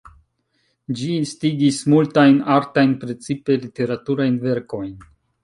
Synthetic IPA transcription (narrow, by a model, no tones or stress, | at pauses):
d͡ʒiːnstiɡismultajnaɾtajnpɾe̞t͡sipe̞lite̞ɾatuɾajnve̞ɾko̞jn